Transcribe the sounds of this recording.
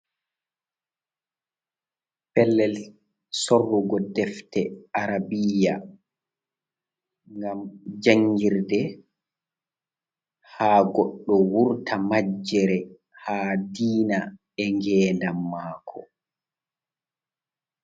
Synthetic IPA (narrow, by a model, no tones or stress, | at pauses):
pɛlːɛl | sorːuɡɔdɛftɛaɾabija | ŋɡamd͡ʒaŋɡiɾdɛ | haːɡɔɗːɔwuɾtʰamad͡ʒːɛɾɛ | haːdiːna | ɛŋɡɛːndamːaːkʰɔ̰